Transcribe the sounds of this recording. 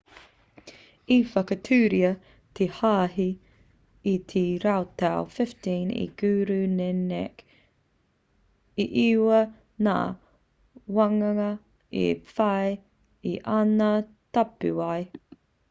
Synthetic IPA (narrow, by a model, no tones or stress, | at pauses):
ifɐkɐtʰʉːɾiɐ | t̪ʰehaːɦi | it̪ʰiɾawtawfɪftĩːnḭɡ̥ʉːɾʉnɛnɛk | iʔiwɐ | na̰ː | wɐŋɐŋɐ | ḭfɐj | iʔɐna | tɐpʉaj